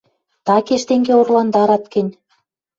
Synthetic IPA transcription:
t̪ɑkeʃt̪eŋɡeorlɑnd̪ɑɾɑt̪kə̆nʲ

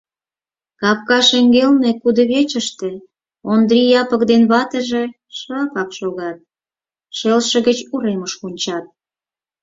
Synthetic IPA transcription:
kɑp̚kɑʃeŋɡelnekud̪ŏβet͡ɕə̆ʃt̪ĕ | ond̪ɾijɑpə̆kd̪enβɑt̪ə̆ʒe | ʃɑpɑkʃoɣɑt̪̚ | ʃelʃə̆ɣət͡ɕuɾeməʃkunʲt͡ɕɑt̪̚

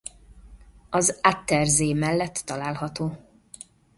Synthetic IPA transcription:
ɒzat̪ːɛrzeːmɛlːɛt̪ːɒlaːlɦɒt̪oː

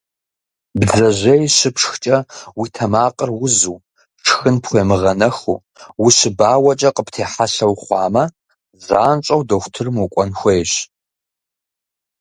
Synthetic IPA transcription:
bzɐʑʷɐjɕɨpʂxt͡ʃʼɐwiːtʰɐmaːqʼərwʊzuː | ʈ͡ʂʰxɨnpxʷjɛmɨʁɐnɐxṵ | wiɕɨbaːwɐt͡ʃʼɐqʼəptʰeːħaɬɐwχʷɑːmɐ | za̰ːnt͡ʃʷʼɐwdoxʷtʰɨrmukʷʼɔnxʷejɕ

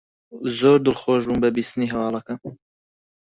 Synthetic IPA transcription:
zoːɾd̪ɨlˠxoːʒbuːnbɐbiːst̪ɨniːɦɐwɑːlˠɐkɐn

